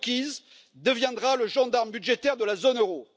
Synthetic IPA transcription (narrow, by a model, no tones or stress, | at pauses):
kʲiz | d̪əvjɛ̃d̪ʁaləʒɑ̃d̪aʁmbyd̪ʒet̪ɛʁd̪əlazonøʁo